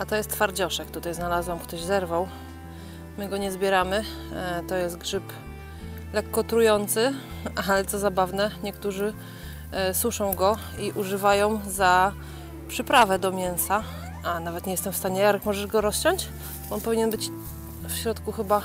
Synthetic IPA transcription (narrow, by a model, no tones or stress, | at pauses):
at̪ɔjɛst̪faɾd͡ʑɔʂɛkt̪ut̪ajznalazwamkt̪ɔʑzɛɾvaw | mɘɡɔɲɛzbʲjɛɾamɘ | t̪ɔjɛst̪̚ɡʐɘp | lɛkːɔt̪ɾujɔnt̪sɘ | alɛt̪sɔzabavnɛɲɛkt̪uʐɘ | swuʂɔ̃w̃ɡɔ | iʔuʐɘvajɔ̃w̃za | pʂɘpɾavɛd̪ɔmʲjɛñsa | anavɛt̪ɲɛjɛst̪ɛmfst̪aɲɛjaɾɛkmɔʐɛʐɡɔɾɔst͡ɕɔɲt͡ɕ | ɔnpɔvʲiɲɛnbɘt͡ɕ | fɕɾɔt̪kuxɘba